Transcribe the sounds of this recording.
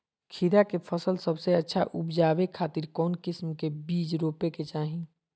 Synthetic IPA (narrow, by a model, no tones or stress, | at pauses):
kʰiɾakepʰəsəlsəbseɐtːʃʰaʔʊpd͡ʒaːʋekʰaːt̪ɪɾkɔːnkɪsmkebiːd͡ʒɾoːpeket͡ʃaːɦĩ